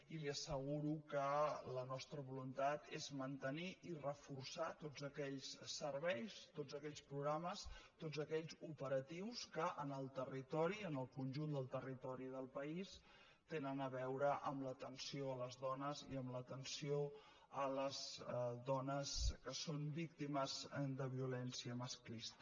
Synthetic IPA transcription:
iliəsəɣuɾukələnɔst̪ɾəβulunt̪at̪ezmənt̪əniʔirəfursat̪od͡zəkɛʎssəɾβɛjst̪od͡zəkɛʎspɾuɣɾaməst̪ozəkɛʎzupəɾət̪iwskəʔənəlˠt̪ərit̪ɔɾiənəlˠkunʲʒund̪əlˠt̪ərit̪ɔɾiðəlˠpəis | t̪enənəβɛwɾəʔəmlət̪ənsioələzðɔnəziəmlət̪ənsio | ələzðɔnəskəsombik̚t̪iməzd̪əβiulɛnsiəməsklist̪ə̥

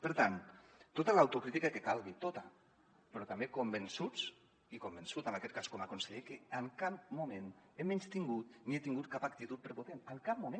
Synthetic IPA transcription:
pəɾt̪an | t̪ot̪alawt̪ukɾit̪ikakekalˠɣit̪ot̪a | pəɾɔt̪ambekombənsut͡s | ikombənsut̪ənakɛt̪̚kaskomakonseʎekeəŋkap̚mumen | emenst̪iŋɡut̪niet̪iŋɡut̪̚kapak̚t̪it̪ut̪̚pɾepot̪enəŋkap̚mumẽ

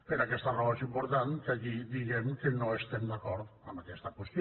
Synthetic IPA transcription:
peɾakɛst̪arɔesimpoɾt̪ankakid̪iɣemkenõest̪emd̪akɔɾðamakɛst̪akwest̪j

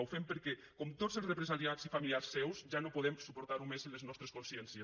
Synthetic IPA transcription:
wfempəɾkɛ | komt̪ozelˠrepɾesaɾiazifamiliasːɛwzʒanopoðɛmsupoɾt̪aɾumezenləznɔst̪ɾeskonsjɛnsjə

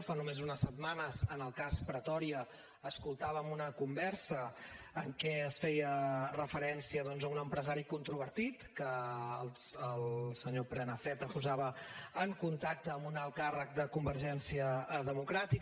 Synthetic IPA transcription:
fanumezunəsəd̪̚manəzənəlˠkaspɾət̪ɔɾiəː | skulˠt̪aβəmunəkumbɛrsəː | ŋkɛəsfɛjərəfəɾɛnsiəðɔnzəunəmpɾəzaɾikunt̪ɾuβ̞əɾt̪it̪kəlˠəlˠsəɲopɾɛnəfɛt̪əpuzaβəəŋkunt̪ak̚t̪əːmbunalˠkarək̚d̪əkumbəɾʒɛnsiəðəmukɾat̪i

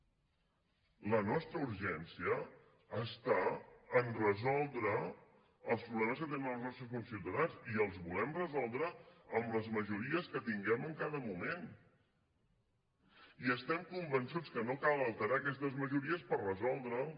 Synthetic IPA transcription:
lənɔst̪ɾəuɾʒɛnsiəː | st̪aənrəzɔlˠd̪ɾə | əlˠspɾuβlɛməskət̪enənəlˠznɔst̪ɾəsfunsiwt̪əðanziəlˠzβulɛmrəzɔlˠd̪ɾəəmləzməʒuɾiəskət̪iŋɡɛməŋkaðəmumen | iəst̪ɛmkumbənsut͡skənokaləlˠt̪əɾaːkɛst̪əzməʒuɾiəspərrəzɔlˠd̪ɾə

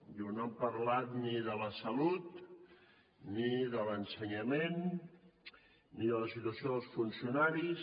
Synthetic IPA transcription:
jonampəɾlat̪niðələsəlut̪̚ | niðələnsəɲəmen | iðələsit̪uəsioðəlˠsfunsiunaɾis

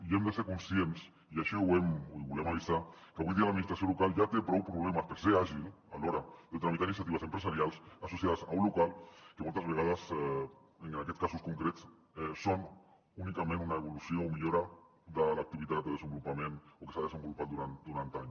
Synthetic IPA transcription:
emd̪esekonsjens | iaʃiwemiβulemaβisakeaβund̪ialad̪minist̪ɾasjolokalʝat̪epɾowpɾoβlemaspeɾseaʒil | aloɾad̪et̪ɾamit̪aɾinisjat̪iβas̬empɾes̬aɾjalsasosjaðasa̰unlokalkemolt̪ɾazβeɣ̞aðas | eŋaket̪skasuskoŋkɾet̪s | eson | unikamẽnunaeβolusjoŋomeʎoɾa | d̪alak̚t̪iβiðat̪̚d̪eðesembolupamẽnokesaðesembolupald̪uɾand̪uɾant̪eaɲo

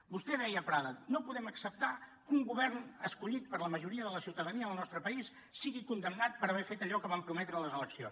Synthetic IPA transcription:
bust̪ɛðɛjəːpɾaðənopuðɛməksəp̚t̪akuŋɡuβɛrnəskuʎit̪pəɾləməʒuɾiəðələsiwt̪əðəniəəlˠnɔst̪ɾəpəisːiɣikund̪əmnat̪̚pəɾəβɛfet̪əʎɔkəβampɾumɛt̪ɾələzələksijo̰ns

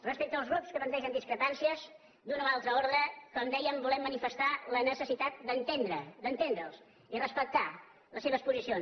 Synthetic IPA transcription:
rəspɛk̚t̪əːlˠzɣɾupskəpənt̪ɛʒənd̪iskɾəpansiəz | d̪unoalˠt̪ɾəoɾðɾəkɔmd̪ɛjəmbulɛmːənifəst̪alənəsəsit̪at̪̚d̪ənt̪end̪ɾəd̪ənt̪end̪ɾəlˠs | irəspək̚t̪a | ləseβəspuzisions

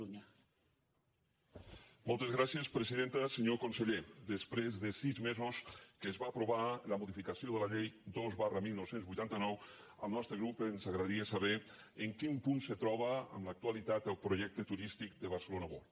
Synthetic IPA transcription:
uɲa | mɔlˠt̪ezɣɾasjespɾeziðent̪əseɲokonseʎed̪espɾezðəsizmezoskezβaːpɾoβaləmoðifikasioð̞əlaʎejd̪ozβarəmilˠnɔwsenzβujt̪ant̪ənɔw | ə̰lˠnɔst̪ɾəɣɾupenzaɣɾaðaɾiəsaβe | eŋkimpunsət̪ɾɔβ̞əə̰mləak̚t̪ualit̪at̪əlˠpɾoʒɛk̚t̪ət̪uɾist̪ik̚d̪əβ̞aɾsəlonaβo

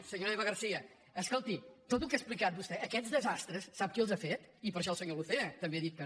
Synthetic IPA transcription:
səɲoɾɛβɐɣəɾsiɐː | skolˠt̪it̪ot̪̬ukesplikat̪̚bust̪ɛʔəkɛt̪zðəzast̪ɾəsːaβkelˠzafet̪ipəɾʃ̬ɔlˠsəɲoluθeɐt̪əmbeðit̪̚kə

